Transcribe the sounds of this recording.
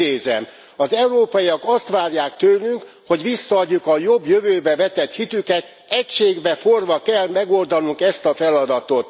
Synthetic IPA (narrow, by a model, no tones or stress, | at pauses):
eːzɛm | ɒzɛuɾoːpɒiɒkɒst̪ʋaːrjaːkt̪øːlyŋk | ho̞ɟʋisːɒːɟːukɒjobjøvøːbɛvɛt̪ɛt̪hit̪ykɛt̪ | ɛcʃeːɡbɛforvɒkɛlmɛɡo̞ld̪ɒnuŋkɛst̪ɒfɛlɒd̪ɒt̪ot̪